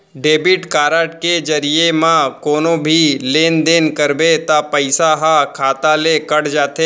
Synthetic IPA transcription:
ɖeːbɪʈkaːɾəːʈked͡ʒɐɾiemãkoːnõbʱileːnd̪eːnkəɾbet̪apəɪsaɦakʰaːt̪alekɐɽd͡ʒaːt̪eː

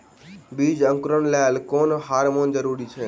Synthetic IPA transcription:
bid͡ʒə̃ŋkɾənlalkonɦaɾmond͡ʒəɾuɾit͡ʃʰe

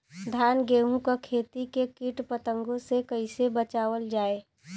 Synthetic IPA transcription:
d̪ʱaːnɡeːɦũkakʰeːt̪ikekɪʈpət̪ə̃ŋɡõsekəɪsebət͡ʃaːʋəld͡ʒaːeː

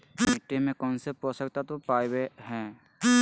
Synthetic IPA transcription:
mɪʈːemẽkɔ̃ːnsepɔsək̚t̪at̪opaːjweɦɛ̃ː

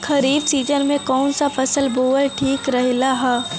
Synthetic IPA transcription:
kʰɐɾiːbsiːd͡ʒənmẽkɔːnsafɐsəlboːəʈʰiːkɾɐɦilaɦaː

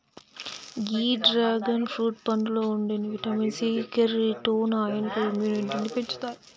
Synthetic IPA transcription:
ɡiːɖɾaːɡɐnfɾuːʈ̚pɐɳɖuloːuɳɖeːniʋiʈaːminsikɐɾiʈoːnaːjɐnɐkoːimjuːniʈʈindipeɲt͡ʃu̥t̪aːji

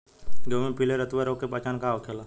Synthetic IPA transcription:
ɡowmẽpileɾət̪ʋeɾoːkepat͡ʃaːnkaːokʰeːla

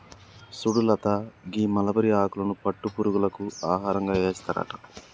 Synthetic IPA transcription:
suɽulɐt̪aɡiːmɐlɐbɐɾiaːkulɐnupɐʈːupuːɾuɡulɐkuaːɦaːɾɐŋɡaːjeːsi̥t̪ɐɾa̰ːʈɐ̥

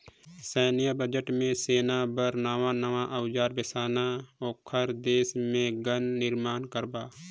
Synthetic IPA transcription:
sɛːnijabəd͡ʒəʈmẽseːnabəɾnəʋanəʋaʔəwd͡ʒaːɾbɪsaːnaɔːkʰəɾd̪eːsmẽɡənːɪɾmaːnkəɾbaː

